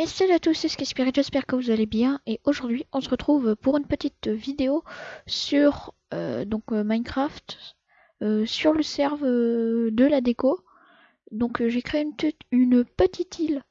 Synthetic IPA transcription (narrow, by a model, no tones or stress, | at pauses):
ɛsɛlat̪usɛsə̥kʲɛspiʁeʒɛspɛʁkəvuzalebjɛ̃eʔoʒuʁd̪ɥiɔ̃səʁət̪χuvpuʁynpət̪it̪vid̪eosyʁ | ø̰d̪ɔ̃kmajnkχaft̪ | øsyʁləsɛʁvød̪əlad̪eko | d̪ɔ̃kʒekχeeynt̪ynpət̪it̪ʰil